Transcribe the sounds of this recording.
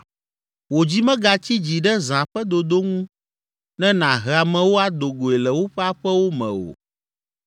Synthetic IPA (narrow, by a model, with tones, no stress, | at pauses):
wo˨d͡ʑi˦mɛ̃˦ɡa˨t͡ɕi˦d͡ʑi˨ɖɛ˦zã˨ɸɛ˦d̪o˨d̪o˦ŋũ˦ | nɛ̃˦nã˨ɦɛ˨a˨mɛ̃˨wo˦a˦d̪o˨ɡo˨ɛ˨lɛ˨wo˦ɸɛ˦a˦ɸɛ˦wo˦mɛ̰̃˨o̰˨